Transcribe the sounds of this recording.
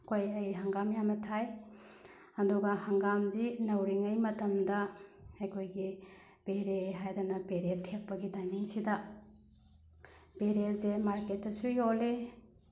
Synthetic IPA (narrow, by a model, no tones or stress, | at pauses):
kʰojɐjɦɐŋɡamjamɐtʰaj | ɐduɡɐhɐŋɡamzinɐwɾiŋɐjmɐtɐmdɐɐjkʰojɡi | b̥eɾeɦajdanɐpeɾetʰeppːɐɡitajniŋsidɐ | peɾetzemaɾketːɐsujole